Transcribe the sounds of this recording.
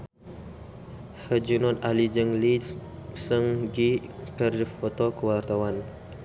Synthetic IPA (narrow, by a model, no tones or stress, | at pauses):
həd͡ʒunɔt̪alid͡ʒəŋlisəŋɡikərdifɔt̪ɔkəwart̪awan